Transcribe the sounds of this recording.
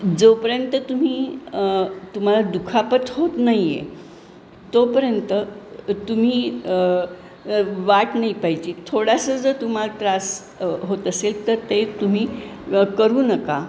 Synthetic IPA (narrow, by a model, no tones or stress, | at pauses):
d͡zopəɾjənt̪ət̪um̤iː | t̪um̤alad̪ukʰapət̪ɦot̪najḛ | t̪opəɾjənt̪ət̪um̤iː | ʋaʈnaipaɦid͡ʑiːt̪ʰoɽasəd͡zət̪um̤alʈɾas | ɦot̪əselt̪əɾt̪et̪um̤iːkəɾuːnəka